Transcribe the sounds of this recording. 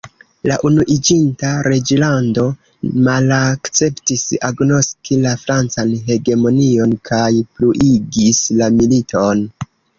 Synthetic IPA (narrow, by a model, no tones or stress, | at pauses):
laʔunuʔid͡ʒintaɾe̞d͡ʒlando̞ | malakt͡se̞ptisaɡno̞skʰilafɾant͡sanɦe̞ɡe̞mo̞nio̞nkʰajpluʔiɡislamilitʰo̞n